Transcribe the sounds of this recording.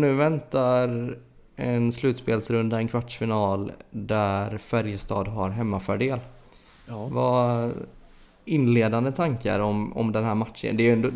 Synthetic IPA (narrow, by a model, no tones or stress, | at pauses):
nʉ̟ːvɛnt̪aɾ | ɛnslʉ̟ːt̪speːlsɾɵnd̪aɛnkʰvaʈʂfɪnɑːld̪æɾfæɾjəst̪ʰɑ̰ːd̪ɦaɾɦɛmːafœɖeːl | va | ɪnːleːd̪and̪ət̪ʰaŋka̰ɾɔmɔ̰md̪ɛnɦæːɾmat̪ʂə̰nd̪ɛɛnd̪o